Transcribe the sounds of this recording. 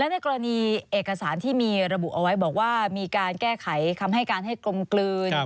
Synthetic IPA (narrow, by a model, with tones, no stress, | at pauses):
lɛ˦˥wna˧jkɔː˧ɾa˧niː˧ʔeː˨˩kːa˧saː˩˦nt̪ʰiː˥˩miː˧ɾa˧bu˨˩ʔa˧wa˦˥jbɔː˨˩k̚waː˥˩miː˧kaː˧nkɛː˥˩kʰa˩˦jk̪ʰa˧mɦa˥˩jkaː˧nɦa˥˩jklo˧mklɯː˧n